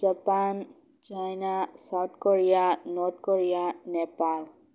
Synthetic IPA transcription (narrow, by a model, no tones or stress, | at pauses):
d͡ʒapan | t͡ʃajnasawtʰkɔɹijanɔt̚kɔɹijanɛpal